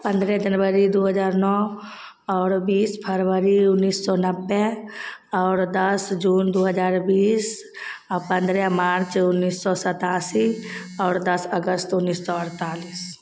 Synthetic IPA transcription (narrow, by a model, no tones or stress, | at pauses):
pə̃nd̪ɾɛd͡ʒənwəɾid̪oːɦəd͡ʒaːɾnɔː | ɔːɾbiːspʰəɾwəɾiʊnːiːsːɔnəbːe | ɔːɾd̪əsd͡ʒuːnd̪oːɦəd͡ʒaːɾbiːs | ɔɾpə̃nd̪ɾɛmaːɾt͡ʃʊnːiːsːɔsət̪aːsi | ɔːɾd̪əsəɡəst̪ʊnːiːsːɔəɾt̪aːliːs